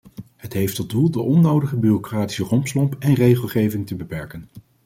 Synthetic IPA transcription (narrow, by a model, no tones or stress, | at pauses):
ɦətɦejftɔt̚dulˠdəʔɔnːowdəχəbyːrokraːti̥sərɔmpslɔmpɛnrejχəlˠχejvɪŋtəbəpɛɹkən